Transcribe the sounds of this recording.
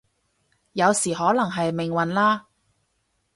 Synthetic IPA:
jɐ˨˧wsiː˨˩ɦɔː˨˥lɐ˨˩ŋɦɐ˨jmɪ˨˩ŋwɐ˨nlaː˥

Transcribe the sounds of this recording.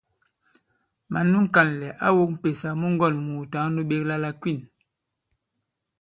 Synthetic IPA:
ma˨nu˦ŋ˦ka˨nlɛ˨ʔa˦wo˦k̚m̩˦˨pe˨sa˨mu˦ŋ˦ɡɔ˦˨nmuː˨ta˨˦ŋ˦nu˦ɓe˦kla˦la˦kwi˦˨n

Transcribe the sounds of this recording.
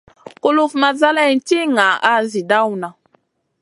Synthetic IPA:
ko˦lu˦fma˨za˦lɛ˦˨n̩˦ti˦ŋa˨a˦zi˨da˦wna˨

